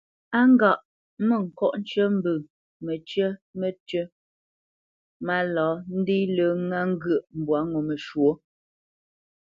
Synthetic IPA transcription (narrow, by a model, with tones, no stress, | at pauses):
a˦ŋ̩˦ɡa˨ʔ | mə˦˨ŋ̩˨kɔ˦ʔn̩˦t͡ʃə˦m̩˦bə˨ | mə˨t͡ʃɥə˦mə˨tə˦ | ma˦lɔ˨˦n̩˦di˦lə˨˦ŋa˦ŋ˦ɡə˨ʔm̩˨bwa˨˦ŋo˨mə˨ʃwo˨˦